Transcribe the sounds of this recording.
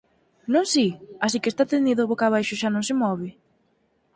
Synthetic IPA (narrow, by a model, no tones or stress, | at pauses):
nõŋsias̬ikest̪at̪end̪iðʊβokaβajʃʊʃanõŋsɪmɔβ̞ɪ